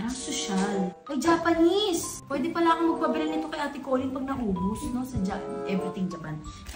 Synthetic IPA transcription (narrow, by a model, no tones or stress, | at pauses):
asoʃalʔɐjd͡ʒaːpɐnispwɛːd̪ɛpɐlaːkɐŋmɐɡ̚pɐbɛɾɛlnɪt̪o̞kɐjʔaːt̪ɪkoːlɪnpɐɡ̚nɐʔuːbʊsno̞sɐd͡ʒaʔɛvɾɪt̪ɪŋd͡ʒɐpan